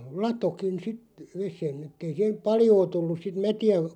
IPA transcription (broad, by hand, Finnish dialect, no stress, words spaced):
lɑtokin sit ʋesen etˑei siːhem̆ pɑljoː tulːus̆ sit mætiæ